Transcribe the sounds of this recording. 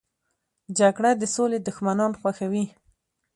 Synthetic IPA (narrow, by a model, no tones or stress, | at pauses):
d͡ʒaɡɽad̪əsoled̪ʊxmanɑnxwaxawi